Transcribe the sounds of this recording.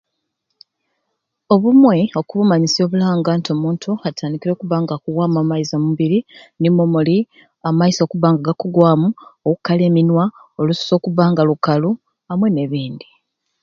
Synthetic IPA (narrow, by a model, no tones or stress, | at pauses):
o̞βumwe̞o̞kuβumaɲisio̞ːβulaːŋɡantio̞muːntʰuatʰaːndikiɾo̞ːkuβaːŋɡakuɡwaːmuamaizamuβiɾinimomoli | amaiso̞kuβaːŋɡaɡakuɡwaːmuokukaleːminwa | o̞lusu̥so̞ːkuβaːŋɡalukalu | amwe̞ne̞βiːnd̪i